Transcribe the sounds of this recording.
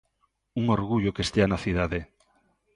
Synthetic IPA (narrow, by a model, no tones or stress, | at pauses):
uŋoɾɣuʎokest̪eanaθiðaðe